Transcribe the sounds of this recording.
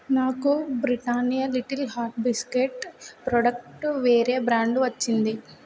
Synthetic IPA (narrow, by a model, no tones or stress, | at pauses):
naːkubɾiʈaːnijɐliʈɐlɦaːʈ̚biskeʈpɾoɖɐkʈʋeːɾeːbɾaːɳɖuʋɐt͡ʃːind̪i